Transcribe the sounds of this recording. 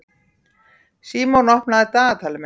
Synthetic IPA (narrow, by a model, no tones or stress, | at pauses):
siːmonɔhpnaðɪt̪aːɣat̪ʰaːlɪm